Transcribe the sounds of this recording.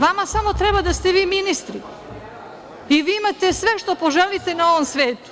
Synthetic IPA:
ʋamasamo̞t̪ɾɛbad̪ast̪eʋiːminist̪ɾi | iʋiːimat̪esʋeʃt̪o̞po̞ʒelit̪enao̞ʋomsʋeːt̪u̥

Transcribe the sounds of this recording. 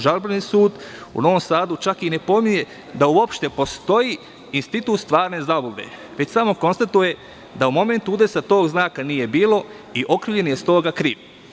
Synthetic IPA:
ʒalbɾanisuːd̪ṵno̞ʋo̞msaːd̪ut͡ʃakine̞po̞mije̞ | d̪auo̞pʃt̪e̞po̞st̪o̞ji | inst̪it̪uːt̪st̪ʋaːɾne̞zabobe̞̰ | ʋe̞t͡ɕsamo̞ko̞nst̪at̪uje̞ | d̪aumo̞me̞nt̪uud̪e̞sat̪o̞ːɡznaːkanije̞biːlo̞ | iʔo̞kɾiːʋʎe̞nje̞st̪o̞ːɡakɾiːʋ

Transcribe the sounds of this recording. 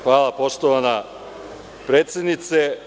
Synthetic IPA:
xʋaːlapo̞ʃt̪oʋana | pɾeːt̪sjed̪nit̪se

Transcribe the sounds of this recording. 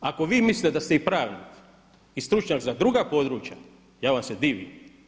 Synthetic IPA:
ako̞ʋiːmisʲt̪ed̪ast̪eipɾaːʋnik | ist̪ɾut͡ʃɲakzad̪ɾuɡapo̞d̪ɾuːt͡ʃja | jaːʋamsed̪iːʋḭm

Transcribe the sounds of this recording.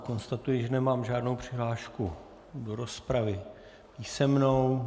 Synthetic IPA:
ko̞nst̪at̪ujɪʒɛnɛmaːmʒaːdno̞wpr̝̥ɪɦlaːʃku | doɾo̞spɾavɪ | piːsɛmnow

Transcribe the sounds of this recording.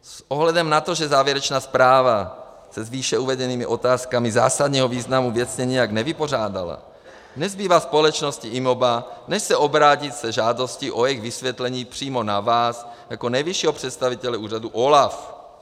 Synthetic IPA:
sʔoɦlɛdɛmnat̪o̞ʒɛzaːvjɛɾɛt͡ʃnaːspɾaːva | sɛzviːʃɛuvɛdɛniːmɪʔo̞t̪aːskamiza̰ːsad̪ɲɛːɦoviːznamuvjɛt͡sɲɛɲijaɡnɛvɪpo̞r̝aːda̰la̰ | nɛzbiːvaːspo̞lɛt͡ʃno̞sciʔimobanɛʃsɛʔobɾaːcit̪sɛʒaːdo̞sciʔo̞jɛɣvisvjɛt̪lɛɲiːpr̝̥iːmo̞navaːsjako̞nɛjviʃiːɦopr̝̥ɛt̪st̪avit̪ɛlɛuːr̝aduʔolaf

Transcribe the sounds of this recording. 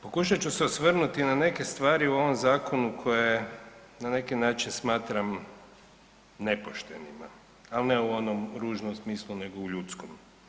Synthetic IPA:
po̞kuʃat͡ɕuseosʋr̩nut̪inane̞ke̞st̪ʋaːɾiuo̞ʋo̞mzaːkʰo̞nukʰo̞je | nane̞kinaːt͡ʃinsmaːt̪ɾam | ne̞poʃt̪ḛnḭma̰ | alneuo̞nomɾuːʒnomsmiːslˠune̞ɡo̞uʎut̪skom

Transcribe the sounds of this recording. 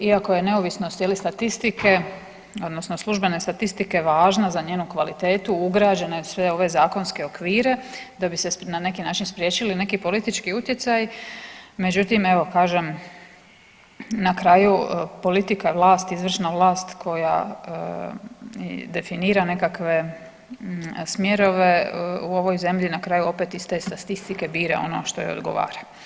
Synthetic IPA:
iako̞je̞ne̞o̞ʋisnost̪jelist̪at̪ist̪ike̞ | o̞d̪nosnoslˠuʒbe̞ne̞st̪at̪ist̪ike̞ʋaːʒnazaɲeːnukʋalit̪e̞ːt̪uuɡɾaːd͡ʑe̞ne̞sʋe̞o̞ʋe̞zaːko̞nske̞o̞kʋiːɾe̞d̪abise̞nane̞kinaːt͡ʃinspɾje̞ːt͡ʃiline̞kipo̞lit̪it͡ʃkiut̪je̞t̪saj | me̞d͡ʑut̪ime̞ʋo̞kaːʒe̞m | nakɾaːjupo̞lit̪ikaʋlˠaːst̪izʋr̩ʃnaʋlˠaːst̪kʰo̞ja̰ | d̪e̞finiːɾane̞kakʋe̞ | smje̞ɾo̞ʋe̞uo̞ʋo̞jze̞mʎinakɾaːjuo̞pet̪ist̪aest̪at̪ist̪ike̞biːɾḛo̞̰no̰ʃt̪ojo̰od̪ɡo̞̰ʋa̰ːɾa

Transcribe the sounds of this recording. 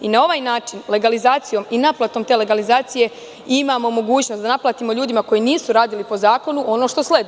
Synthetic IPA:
inao̞ʋaːjnaːt͡ʃinle̞ɡalizaːt̪sijo̞minaplˠat̪o̞mt̪ele̞ɡalizaːt̪sije̞ | imamo̞mo̞ɡuːt͡ɕno̞sd̪anaplˠat̪imoʎuːd̪imako̞jiniːsuɾaːd̪ilipo̞zaːko̞nuʔo̞no̞ːʃt̪o̞sle̞d̪

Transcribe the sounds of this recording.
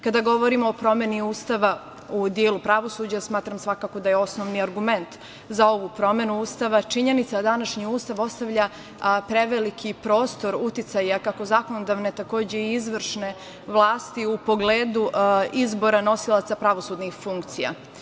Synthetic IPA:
kad̪aɡo̞ʋoɾimoːpɾo̞me̞niuːst̪aʋa | ud̪jeːlupɾaʋo̞suːd͡ʑasmaːt̪ɾamsʋakaːko̞d̪ajeo̞snoʋniaɾɡume̞nt̪ | zao̞ʋupɾo̞me̞nuuːst̪aʋat͡ʃiɲe̞nit̪sad̪anaʃɲiuːst̪aʋo̞st̪aʋʎa | pɾe̞ʋelikʰipɾo̞ːst̪o̞ɾut̪it̪sajakako̞zako̞nod̪aʋne̞t̪ako̞ːd͡ʑe̞iizʋr̩ʃne̞ | ʋlˠaːst̪iupo̞ɡleːd̪uizbo̞ɾano̞silˠat̪sapɾaʋo̞suːd̪nixfuŋkt̪sija̰

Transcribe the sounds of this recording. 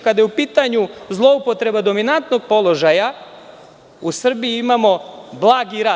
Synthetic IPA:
kad̪jeupiːt̪aɲuzlˠo̞upo̞t̪ɾe̞bad̪o̞minant̪no̞ɡ̚po̞lˠo̞ʒaja | usr̩bijiimamo̞blˠaːɡiɾaː

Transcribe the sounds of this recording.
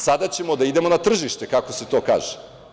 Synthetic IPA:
sad̪at͡ɕe̞mo̞d̪aid̪emo̞nat̪r̩ʒiʃt̪e̞kako̞set̪oːka̰ːʒe̥

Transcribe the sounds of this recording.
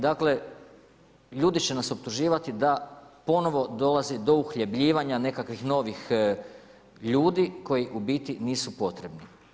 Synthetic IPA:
d̪akle̞ | ʎuːd̪it͡ɕe̞naso̞p̚t̪uʒiːʋat̪id̪apo̞no̞ʋo̞d̪o̞lˠazid̪o̞uxʎe̞bʎiːʋaɲane̞kakʋixno̞ːʋix | ʎuːd̪iko̞jiʔubit̪iniːsupo̞t̪ɾe̞bni

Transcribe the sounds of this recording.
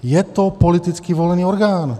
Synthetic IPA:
jɛt̪ɔpɔlit̪it͡skiːʋɔlɛniːɔɾɡaːn

